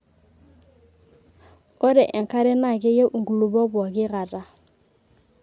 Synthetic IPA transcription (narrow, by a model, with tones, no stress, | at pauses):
o˦ɾɛ˨ʔɛ˨ŋka˦ɾɛ˦na˨ke˦je˦ʔu˨ŋɡu˨lu˨bɔ˦bɔ˨kɪ˦ɣa˨ta˨